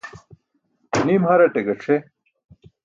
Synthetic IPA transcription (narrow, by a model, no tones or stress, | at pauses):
nimhɐɾɐʈeɡɐʈ͡ʂʰe